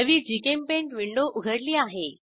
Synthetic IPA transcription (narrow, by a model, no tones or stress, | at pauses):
əʋid͡ʑikẽmpẽɳʈʋɪ̃ɳɖoʔʊɡʱəɽliaːɦeː